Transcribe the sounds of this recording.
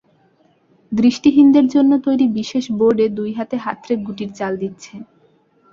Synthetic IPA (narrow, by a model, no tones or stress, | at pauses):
d̪ɾiʃʈiɦind̪eɾd͡ʑonːot̪ojɾibiʃeʃboɾɖed̪ujɦat̪eɦa̰t̪ːɾeɾɡuʈiɾt͡ɕald̪itːɕʰe